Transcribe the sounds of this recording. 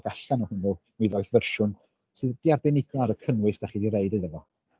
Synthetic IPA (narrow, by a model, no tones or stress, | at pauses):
ɡ̥aɬanɔhʊnʊniðɔɨθvərʃʊn | sɨðd̥iarbɛnɪɡaɾəkʰənwɨsd̥aχidiɾeɨdɨðəvɔ